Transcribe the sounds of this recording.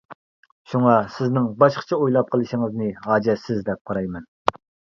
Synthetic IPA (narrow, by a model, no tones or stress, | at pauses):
ʃuŋɑsɪznɪŋbɑʃqʰə̥t͡ʃʰɛojlˠɑp̚qʰəlˠɨʃɪŋɨznɨɦɑːd͡ʒɛt̪sɪzd̪ɛp̚qʰɑɾɑjmɛn